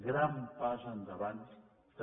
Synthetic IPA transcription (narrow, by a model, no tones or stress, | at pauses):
ɡɾampazɐnd̪ɐβant̪ | d̪